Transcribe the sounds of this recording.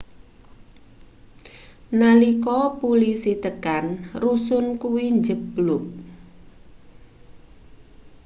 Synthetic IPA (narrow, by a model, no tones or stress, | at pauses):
nalikɔpulisit̪əkanrusʊnkuwiɲd͡ʒəblʊk̚